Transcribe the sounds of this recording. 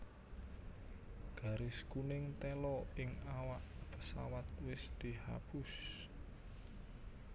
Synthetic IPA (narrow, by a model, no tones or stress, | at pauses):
ɡ̥ä̤ɾɪskunɪŋt̪ɛlɔɪŋawaʔpəsa̰wat̪̚wɪsd̪̥i̤ha̰b̥us